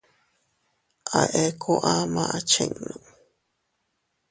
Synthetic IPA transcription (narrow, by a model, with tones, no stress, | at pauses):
ʔa˨ʔe˦kʰo˦ʔa˦mã˦˧ʔa˨t͡ʃḛ̃˧ŋnõ˨